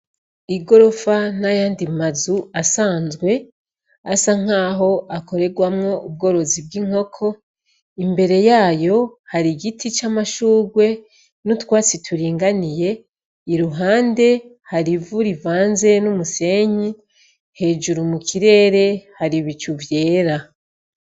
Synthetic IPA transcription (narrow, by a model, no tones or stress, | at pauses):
iɡo̞ɾo̞fanajaːndimazuasaːnzɡwe̞ | asaŋ̥haːɦo̞ʔako̞ɾe̞ɡwamŋo̞ub̚ɡo̞ɾo̞zib̚ɡiŋ̥o̞kʰo̞ | imbe̞ɾe̞jaːjo̞haɾiɡitʰit͡ʃamaʃuːɡwe̞ | nutwaːt͡sitʰuɾiːŋɡanije̞ | iɾuɦaːnde̞ | haɾivuɾivaːnze̞numuse̞ɲi | he̞ːd͡ʒuɾumukʰiɾe̞ːɾe̞haɾiβit͡ʃuvje̞ːɾa